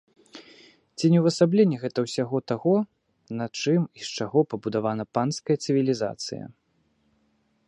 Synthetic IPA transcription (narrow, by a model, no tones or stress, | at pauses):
t͡sʲinʲɛwvɐsablʲɛnʲːɛɣɛt̪ɐwsʲaɣɔt̪aɣɔ | nɐt͡ʂɨmist͡ʂaɣɔpɐbud̪avanɐpanskɐjɐt̪sɨvʲilʲiza̰t̪sɨ̰jɐ̰